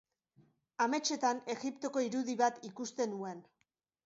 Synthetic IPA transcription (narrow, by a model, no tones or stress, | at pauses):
ame̞t͡ʃe̞t̪ane̞ɣipt̪o̞ko̞iɾuðiβat̪ikust̪e̞nue̞n